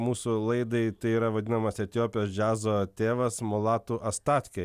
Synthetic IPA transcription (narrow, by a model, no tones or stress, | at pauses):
muːsʊlˠɐɪd̪ɐɪt̪ɐɪiːɾɐʋɐd̪ʲɪnɐmɐsɛt̪ʲɪjoːpʲɪjoːsd͡ʒʲæːzoːt̪ʲeːʋɐsmolˠɑːt̪uːʔɐst̪ɑːt̪ʲkʲɛ